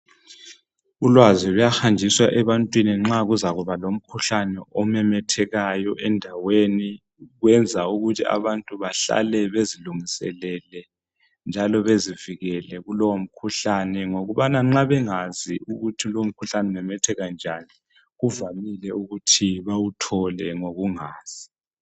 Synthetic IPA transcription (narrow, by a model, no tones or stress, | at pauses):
ulwazilujaxand͡ʒʱiswaʔɛβantʼwiniŋ͡ǁaɣuzaɣuβalom̩kʰuɬanɛɔmɛmɛtʰɛɣajɔʔɛndʱaweni | ɣwɛnd͡zʱauɣutʰia̰βantʼuβaɬa̰lɛβeziluŋisɛ̰lɛlɛ | nd͡ʒʱalɔβeziviɣɛlɛɣulɔwom̩kʰuɬanɛŋoɣuβanaŋ͡ǁaβɛŋaziuɣutʰilowm̩kʰuɬanɛmɛmɛtʰɛɣand͡ʒʱani | ɣuvamilɛuɣutʰiβawutʰɔlɛŋoɣuŋaːz̥i̥